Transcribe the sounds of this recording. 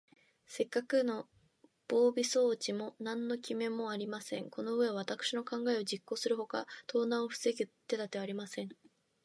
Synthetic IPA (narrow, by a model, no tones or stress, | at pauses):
se̞kːakɯ̟no̞ | b̥o̞ːbʲiso̞ːt͡ɕimo̞nãnːo̞kʲime̞mo̞aɾʲimasẽ̞ŋko̞no̞ɯ̟e̞β̞at̪akɯ̟̥ɕino̞kãŋɡae̞o̞d͡ʑikːo̞ːsɨɾɯ̟ho̞ka̰t̪o̞ːnaoɸɯ̟̥seɡʲit̪ːe̞t̪at̪e̞aɾʲimasẽ̞ɴ